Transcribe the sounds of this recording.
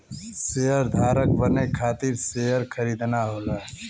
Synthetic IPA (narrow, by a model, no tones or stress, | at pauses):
seɦəɾd̪ʱaːɾək̚bənekʰaːt̪iɾseɦəɾkʰəɾiːd̪naɦoːlaː